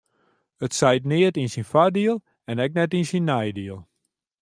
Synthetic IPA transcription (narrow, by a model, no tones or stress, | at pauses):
ətsɛjtnɪətinsinfadiəlˠ | ɛnɛk̚nɛtinsinːɛjdiəlˠ